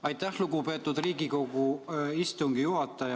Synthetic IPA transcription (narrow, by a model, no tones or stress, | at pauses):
ɑjt̪ːˑæhluɡupe̞ːt̪ːˑud̪riːɡiko̞ɡuist̪uŋɡijuɦɑt̪ːˑɑjɑ